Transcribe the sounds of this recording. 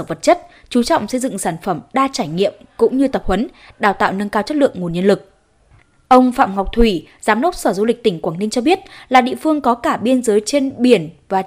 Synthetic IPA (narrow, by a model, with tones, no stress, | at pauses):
və˨˩t̚t͡ɕə˦˥t̚ | t͡ɕu˨˦t͡ɕwŋ͡msə˧jzɨ̰˧˨ŋsaː˧˩nfə˧˩mɗaː˧t͡ɕaː˧˩jŋḭ˧˨əmkʊ̰˧˥ŋ͡mɲɨ˧t̪ə˨˩p̚hwə˨˦n | ɗaː˨˩wt̪a̰ː˧˨wnə˧nkaː˧wt͡ɕə˦˥t̚lɨ̰˧˨əŋːu˨˩nɲə˧ənlɨ˨˩k̚ | ʔə˧wŋ͡mfa̰ː˧˨mŋɔ˨˩wk͡p̚t̪ʰwi˧˩zaː˨˦mɗə˦˥wk͡p̚səː˧˩zu˧lï˨˩k̟̚t̪ï˧˩ŋ̟kwaː˧˩ŋnï˧ŋt͡ɕɔ˧ɓi˦˥ət̚laː˨˩ɗḭ˧ə˨fɨ˧əŋkɔ˨˦kaː˧˩ɓi˧ənzəː˨˦jt͡ɕe˧nɓi˧˩ənvaː˨˩